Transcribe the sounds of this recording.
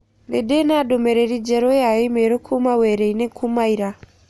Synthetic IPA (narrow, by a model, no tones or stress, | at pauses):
ledenadomeɾeɾid͡ʒeɾojajemeɾokʰumaweɾeinekumaiɾa